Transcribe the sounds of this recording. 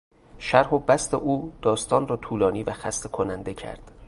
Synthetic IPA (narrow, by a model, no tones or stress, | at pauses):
ʃæɾhobæst̪eʔuːd̪̥ɒːst̪ɒːnrɒːt̪ʰuːlɒːniːvæxæst̪ʰekʰonænd̪e̞cʰæ̰ɾd̪̥